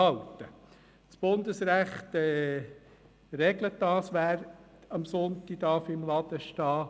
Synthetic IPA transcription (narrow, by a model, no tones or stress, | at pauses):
ɑltə | t͡sb̥ʊnd̪əsɾæχt̪ɛ | ɾɛɡlət̚dɑːsʋæːɾ | ɑmsʊnt̪i̥d̥̪ɑɾfɪmlɑd̪̥əʃtɑː